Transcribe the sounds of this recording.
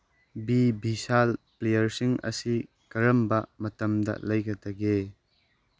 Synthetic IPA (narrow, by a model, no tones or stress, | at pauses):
bibʱisalplejɐɾsiŋɐ̰si | kɐɾɐmbɐmɐtɐmdɐ̰lɐjɡɐtɐɡe